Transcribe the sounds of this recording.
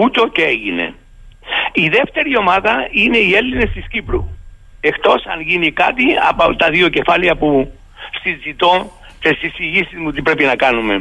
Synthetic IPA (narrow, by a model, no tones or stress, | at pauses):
ut̪o̞ceeʝine̞̰ | iðe̞ft̪e̞ɾio̞mɐðɐine̞ie̞lːine̞st̪iscipɾu | e̞xt̪o̞sɐ̰nʝinikɐt̪iɐ̰pot̪ɐðio̞ce̞fɐliɐpu | sizit̪o̞ | t̪esisiʝisizmut̪ipɾe̞pinɐkɐnume̞